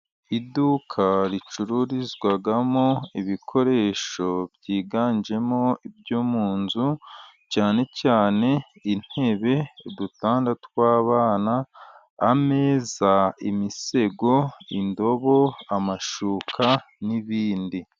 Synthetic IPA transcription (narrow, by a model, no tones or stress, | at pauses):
idukʰaɾit͡ʃuɾuɾizɡwaɡamo̞iβikʰo̞ɾe̞ːʃo̞bɟiːɡaːnd͡ʒe̞mo̞ib̚juːmuːnzu | caːne̞caːne̞in̥he̞βe̞dutaːndatkwaːβaːnaː | me̞ːzaimise̞ɡo̞indo̞βo̞amaʃuːkʰa | niβiːndi